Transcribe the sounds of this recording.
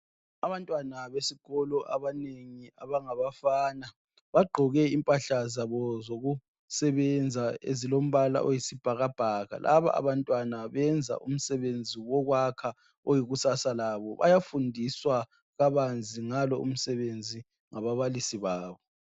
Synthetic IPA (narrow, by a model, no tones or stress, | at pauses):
aβantʼwanaβesiɣ̥ɔlɔʔa̰βaneŋiaβaŋaβafaːna | βaɡ͡ǃʱɔɣɛimpʼaɬazaβɔzoɣu | sɛβɛnd͡zʱaḛzilom̩βala̰ʔojisib̥ʱaɣab̥ʱaːɣa̰lʔa̰βa̰ʔa̰βantʼwanaβɛnd͡zʱa̰ʔum̩sɛβend͡zʱiwɔɣwakʰa | ojiɣusasalaβɔβa̰jafundʱiswa | ɣaβand͡zʱiŋalɔṵm̩sɛβend͡zʱi | ŋaβaβalisiβaːβɔ